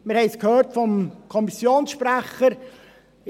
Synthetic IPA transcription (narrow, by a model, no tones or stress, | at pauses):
mɪɾhɛɪskʰhøːrtfɔmkʰɔmisjoːnsʃpɾæχəɾ